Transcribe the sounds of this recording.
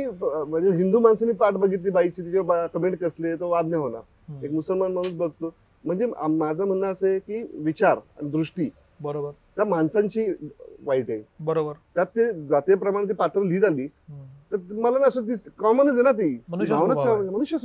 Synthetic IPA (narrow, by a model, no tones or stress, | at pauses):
iməeɦind̪uːmansaniːpaʈbəɡʱit̪liːbait͡ɕiːt̪ikeʋabakəmeɳʈ̚kəslet̪əʋad̪nəɦona̰ɾ | ekmusəlmanm̤əɽ̃ũsbəɡt̪o | m̤əɳd͡zea̰ːad͡zʱam̤ənːaəsekiːʋit͡ɕaɾa̰ñid̪ɾuʂʈiː | bəɾobəɾt̪jamansãɲt͡ɕiːʋaiʈebəɾobəɾt̪jat̪ːed͡zat̪japɾəmaɽ̃ẽt̪̬ipat̪ɾəliːd͡z̪aliːt̪əɾməlanəsət̪̬ikɔmənəd͡zenat̪̬imənɡʱãʋnət͡skaməməɽ̃uɕjəs